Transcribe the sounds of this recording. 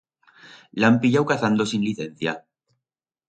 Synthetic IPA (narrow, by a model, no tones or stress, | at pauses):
lampiʎawkaθand̪osinliθẽ̞n̟θja